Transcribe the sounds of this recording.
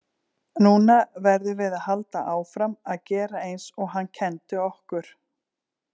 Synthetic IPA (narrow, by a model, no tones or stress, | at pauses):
nuːnavɛɾðʏvɪðaðhalt̪aʔaːwfɾamaðcɛːɾaejnsɔɣɦanːcʰɛnt̪ʏɔhkʏɾ̥